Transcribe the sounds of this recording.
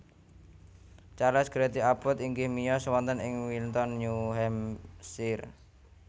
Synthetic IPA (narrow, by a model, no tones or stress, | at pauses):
t͡ʃalɛsɡ̥əɾɛt̪iapʊt̪iŋɡɪhmijɔsəwɔnt̪ənɪŋwilt̪ɔnɲuɦɛmsɪr